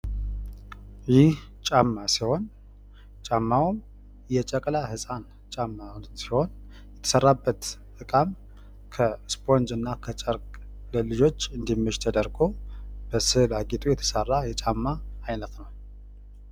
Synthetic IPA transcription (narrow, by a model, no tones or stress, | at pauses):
jɪh | t͡ʃʼamːasiho̞n | t͡ʃʼamːawm | jɛt͡ʃʼəkʼlahɨsʼan | t͡ʃʼamːasiho̞n | jɛt̪ʰə̥sərːabːət̪t̪ʼɨkʼam | kʰəspʰʼo̞nd͡ʒɨnːakʰət͡ʃʼəɾkʼ | ləlɨd͡ʒo̞t͡ʃːɨnd̪imːɨʃt̪ʰəd̪əɾɡob̥əsɨlaɡit̪ʼujɛt̪ʰə̥sərːajɛt͡ʃʼamːaːjnət̪nəw